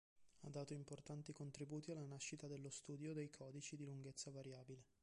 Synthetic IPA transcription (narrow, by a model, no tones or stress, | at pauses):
a̰d̪ːaːt̪oimport̪ant̪ikont̪ɾibuːt̪ialːanaʃːit̪ad̪elːost̪uːd̪jod̪ejkʰɔːd̪it͡ʃid̪iluŋɡet̪sːavaɾjaːbile